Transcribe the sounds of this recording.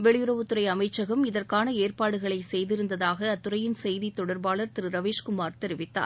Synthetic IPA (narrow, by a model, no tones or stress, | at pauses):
ʋɛɭɪjʊɾɐʋɯt̪ːɯɾɐɪɐmɐɪt͡ʃːɐɣɐmɪðɐrkaːnɐeːrpaːɽɯɣɐɭɐɪsɛjðɪɾɯnd̪ɐðaːɣɐːt̪ːɯɾɐjɪnsɛjðit̪ːɔɽɐɾbaːɭɐɾt̪ɪɾɯɾɐʋeːʂkʊmaːɾt̪ɛɾɪʋɪt̪ːa̰ːɾ